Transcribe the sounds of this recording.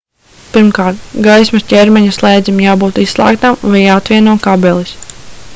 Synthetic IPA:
piɾmkaːɾt̪̚ɡajsmascʲɛɾmɛɲuslˠɛjd̪zimjaːbuːt̪isslˠa̰ːkt̪amvajaːat̪vʲiɛnuɔkabɛlˠis

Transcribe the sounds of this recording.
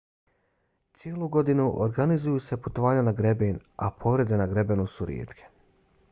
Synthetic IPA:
t̪sjelˠuɡo̞d̪inuʔoɾɡanizujuːse̞put̪o̞ʋaːɲanaɡɾe̞bena̰pʰo̞ʋɾe̞d̪e̞naɡɾe̞be̞nusuɾjḛːt̪kʰe̞̥

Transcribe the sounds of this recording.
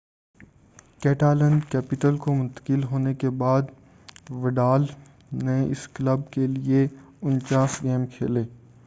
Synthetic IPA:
kɛːʈaːlɛ̃ɳɖkɛːpɪʈəlkomʊ̃nt̪ə̥kɪlɦoːnekebaːd̪ | ʋəɖaːl | nẽɪ̰sklɐb̚kelie | ʊnt͡ʃaːsɡɛːmkʰḛːleː

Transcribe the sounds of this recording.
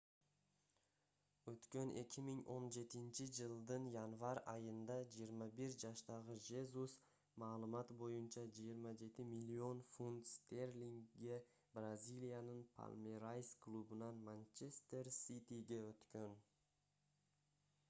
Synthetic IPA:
ɵt̪kʲø̞nʔe̞̰kʲʰɪmiŋʔo̞nd͡ʒe̞t̪ɪnt͡ʃɪd͡ʒəlˠd̪ɯnjanvɑɾɑjənd̪ɑd͡ʒijəɾmɑbiɾd͡ʒɑʃt̪ɑʁəʒe̞zus | mɑːlˠəmɑt̪bo̞junt͡ʃɑd͡ʒijəɾmɑd͡ʒe̞t̪ɪmilʲːio̞nfunt̪st̪erlʲiŋɡe̞ | brazʲilʲijanənpʰa̰lʲˠmeɾajsklˠubənɑnmanʲt͡ʃest̪e̞rsit̪ʲiɡʲe̞øt̪kʲø̞n

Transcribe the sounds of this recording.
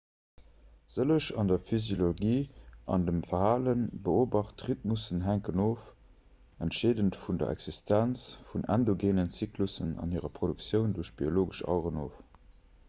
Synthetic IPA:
z̥ələʃɑndɐfyzjoloɡiːʔɑ̰ndəmfɐhaːlənbəoːbɑχtʁit̚musənɦæŋkənoːf | æntʃeːdəntfundɐ̰æ̰kz̥istænt͡sfunʔæ̰ndoɡeːnənt͡siklusənɑ̰nhiːəʁɐpχodukt͡sjəʊnduəɐʃb̥ioloːɡəʃɑ̰ʊʁənoːf

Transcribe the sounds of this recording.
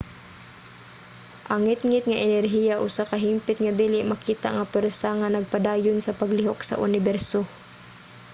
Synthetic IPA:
ʔɐŋɪt̪ŋɪt̪̚ŋaʔɛnɛrɦiːjaʔʊsakaɦimpɪt̪̚ŋad̪iːlɪʔmakiːt̪a̰ʔŋapwɛɾsaŋanɐɡ̚pad̪aːjʊnsɐpɐɡlɪɦoksa̰ʔʊnɪbɛɾso

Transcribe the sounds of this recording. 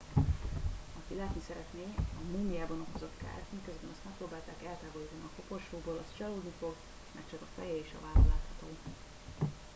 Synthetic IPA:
ɒkilɛːt̪nisɛɾɛt̪neːɒmuŋiaːbɒno̞ko̞zo̞t̪ka̰ːrmikøzbɛnɒst̪mɛkproːbaːlt̪aːkɛlt̪aːboliːt̪ɒniɒpopo̞rʃoːboːlɒst͡ʃɒloːd̪nifo̞ɡ | mɛkt͡ʃɒkɒfɛjɛeːʃɒ̰vaːlɒla̰ːt̪hɒt̪oː

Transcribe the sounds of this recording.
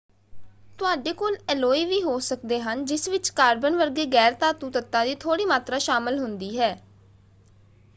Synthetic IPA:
t̪ʊaːɖeːkoːlɛːloːiːʋiːɦoːsəkd̪eːɦənd͡ʒɪsʋɪt͡ʃkaːɾbənʋəɾɡeːɡɛːɾt̪aːt̪ũːt̪ət̪ːãːd̪iːt̪ʰoːɽiːmaːt̪ɾaːʃaːməlɦʊnd̪iːɦɛː

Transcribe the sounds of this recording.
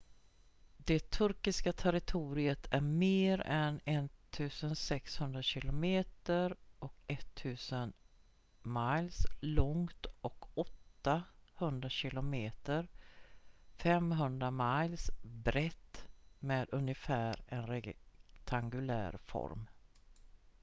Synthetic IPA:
d̪ɛt̪ʰɵɾkɪskat̪ʰɛɾɪt̪ʰuːɾɪət̪ʰæɾmeːɾɛnɛnt̪ʰʉ̟ːsənsɛkshɵnd̪ɾaɕɪlʊmeːt̪əɾʔɔkɛt̪ʰːʉ̟ːsən | malslɔŋt̪ɔkɔt̪ːahɵnd̪ɾaɕɪlʊmeːt̪əɾ | fɛmɦɵnd̪ɾamajlsbɾɛt̪ːmeːd̪ɵnjəfæːɾɛnɾɛt̪ʰaŋɡɵlæ̰ːɾfɔ̰ɾm

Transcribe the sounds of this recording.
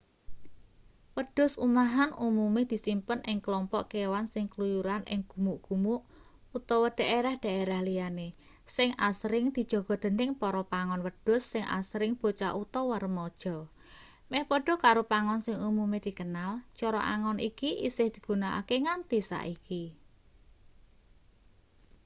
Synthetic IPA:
wəɖ̥ʊ̤sumaɦanumumed̪̥i̤simpənɪŋklɔmpɔʔkewansɪŋklujuɾanɪ̰ŋɡ̥ṳmuʔɡ̥ṳmuʔ | ut̪ɔwɔd̥a̤ʔeɾahd̪̥a̤eɾahlijane | sɪŋasɾɪŋd̪̥i̤̥ʒ̥o̤ɡ̥ɔ̤d̪̥ə̤nɪŋpɔɾɔpaŋɔnwəd̥ʊ̤sːɪŋʔa̰sɾɪŋb̥o̤t͡ʃa̰ʔut̪ɔwəɾəmɔd̥ʒ̥ɔ̤ | mɛhpɔɖ̥ɔ̤kaɾopaŋɔnsɪŋumumed̪̥i̤kənalt͡ʃɔɾɔ̰ʔa̰ŋɔnʔikiʔisɪhd̪̥i̥̤ɡ̥ṳnaʔa̰keŋant̪isa̰ʔiki

